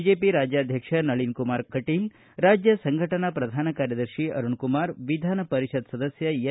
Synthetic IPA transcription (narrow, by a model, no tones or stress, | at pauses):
d͡ʒeːpiɾaːd͡ʒjaːd̪ʱjɐkʂɐnɐɭinkumaːɾkɐʈil | ɾaːd͡ʒjɐsɐŋɡʱɐʈɐnapɾɐd̪ʱaːnɐkaːɾjɐd̪ɐɾʃiɐ̰ɾuɳkumaːɾʋid̪ʱaːnɐpɐɾiʃɐd̪sɐd̪ɐsjɐjɐ